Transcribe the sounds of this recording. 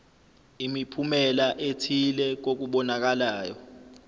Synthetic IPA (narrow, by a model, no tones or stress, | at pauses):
imipʰumɛlaʔetʰilɛk̬ok̬uɓɔnak̬alaːjɔ